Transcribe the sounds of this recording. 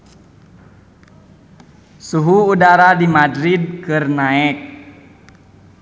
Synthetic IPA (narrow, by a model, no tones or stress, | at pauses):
suɦuːdaɾadimadɾid̚kɨrnaɛk̚